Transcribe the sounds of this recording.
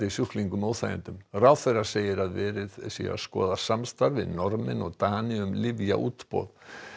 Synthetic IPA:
isjʏhkliŋkʏmoːwθaːjɪ̰nt̪ʏmrawθɛrḁseːjɪɾaðvɛːɾɪðsḭːa̰skɔːðasamst̪aɾvɪ̰ðnɔɾmɪ̰nɔɣt̪aːnɪʏmlɪvja̰ʔuːt̪pɔ̰ːð

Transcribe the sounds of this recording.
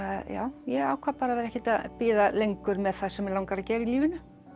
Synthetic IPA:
aðja̰ːwjɛaːwkʰapaːɾaɛɾɛhcɪt̪aðpɪːðalejŋkʏɾmɛðθasɛmɛɾlawŋkaɾacɛːɾɪiliːvɪnʏ

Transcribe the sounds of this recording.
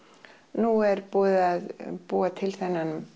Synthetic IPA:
nuɛɾpɔːðɪaðpuːat̪ʰɪlθɛnːanʏm

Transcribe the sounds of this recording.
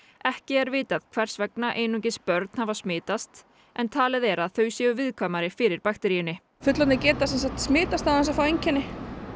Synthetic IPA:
ɛhcɪɛɾvɪːt̪aðkʰv̥ɛr̥svɛknaʔeːjnuŋcɪspœɾt̪n̥havasmɪːt̪ast̪ | ɛnt̪ʰaːlɪðɛɾaðθœɥsjɛʏvɪðkʰvaːmaɾɪfɪɾɪɾpaxt̪ɛɾijʏnɪ | fʏt̪lɔt̪nɪcɛːt̪asɛnsaht̪smɪːt̪ast̪havɛns̬afaweɲcɪnːɪ

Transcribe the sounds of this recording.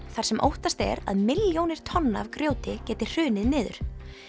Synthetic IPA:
θaɾ̥sɛmʔo̰wht̪ast̪ɛ̰ɾa̰ðmɪljownɪɾ̥t̪ʰɔnːaavkɾjoːwt̪ɪcɛːt̪ɪ̥r̥ʏːnɪðnɪːðʏ̰ɾ̥

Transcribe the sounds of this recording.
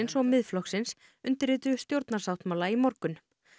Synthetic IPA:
nsɔɣmɪðflɔxksɪns | ʏnt̪ɪɾɪːt̪ʏst̪jowɾt̪naɾ̥sawt̪mawlaimɔɾkʏn

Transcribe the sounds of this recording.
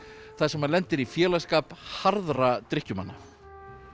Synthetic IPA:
θaðsɛmanlɛnt̪ɪɾifjɛːlaskaːphaɾðɾat̪ɾɪhcʏmanːa

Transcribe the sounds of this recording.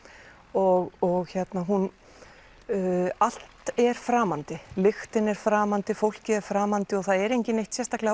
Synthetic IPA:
ɔɣɔɣçɛt̪naɦun | al̥t̪ɛɾ̥fɾaːmant̪ɪlɪxt̪ɪnɛɾ̥fɾaːmant̪ɪfowl̥cɪɛɾ̥fɾaːmant̪ɪɔɣθaðɛɾejɲcɪnejht̪sjɛst̪ahklɛ

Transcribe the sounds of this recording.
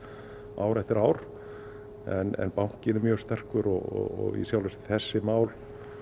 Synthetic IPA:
aːwɾɛft̪ɪɾaːwɾ̥ | ɛnɛ̰npawŋ̥cɪnɪmjœːst̪ɛr̥kʏɾɔɣɔ̰ɣɔ̰ɣḭsjawlvɛst̪ɪ̥θɛsːɪmaːwl

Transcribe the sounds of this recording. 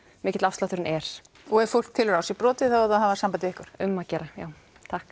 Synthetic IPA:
mɪːcɪt̪lafst̪laht̪ʏɾɪnɛɾ̥ | ɔɛɾfʊl̥kt̪ʰɪlɾawsipɾɔːt̪ɪθaðaðɦavasampat̪ɪɪhkʏɾ̥ʏmːaðcɛːɾaja̰ːw | t̪ʰahk

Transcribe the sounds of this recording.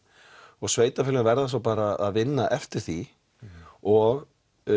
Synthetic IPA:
ɔɣsveːjt̪afɪlɪnvɛɾðasɔwpaːɾaaðvɪnːaʔɛft̪ɪɾ̥θi | ɔɣ

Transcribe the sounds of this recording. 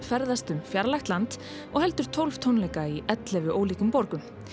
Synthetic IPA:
fɛɾðast̪ʏmfjaɾlajxt̪lant̪ | ɔɣhɛlt̪ʏɾ̥t̪ʰowlv̥t̪ʰownlɛjkaiɛt̪lɛvɪʔoːwliːkʏmpɔɾkʏm

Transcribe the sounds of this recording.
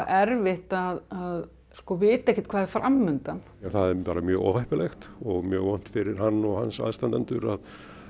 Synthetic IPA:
ɛɾvɪht̪aðað | skɔvɪːt̪aɛhcɪ̥t̪̚kʰvaːðfɾʔa̰mːʏnt̪an | anθaðɛɾpaːɾamjœːɣɔ̰whahpɪlɛxt̪ɔɣmjœːɣvɔn̥t̪fɪɾɪɾ̥ɦanːɔɣhansa̰ðst̪ant̪ɛnt̪ʏɾað

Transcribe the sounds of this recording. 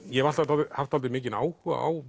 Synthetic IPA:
jɛvalt̪at̪alt̪ɪhaft̪halt̪ɪmɪːcɪna̰ːwha̰a̰w

